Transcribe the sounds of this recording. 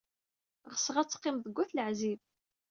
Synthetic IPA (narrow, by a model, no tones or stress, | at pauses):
ʁəsʁat͡sːə̥qːɪmðəɡʷːæθləʕzib